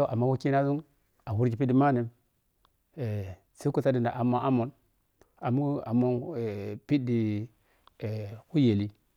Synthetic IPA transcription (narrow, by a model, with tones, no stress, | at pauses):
ʔa˨mːa˦wa˦ki˦na˦zu˦ŋ | a˨wu˦ɾd͡ʒi˨pi˦di˨˦ma˦ni˨m | e˨ | se˦ku˦ta˦di˨nda˨ʔa˨mo˨a˦mo˨n | a˨mu˦a˨mo˦n˨pi˦di˨ | wu˦je˨li˦